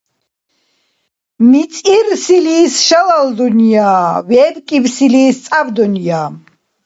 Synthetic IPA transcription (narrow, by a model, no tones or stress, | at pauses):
mit͡sʼirsiliːsʃalald̪unjaːvɛd̪kʼivsiliːst͡sʼavd̪unjaːm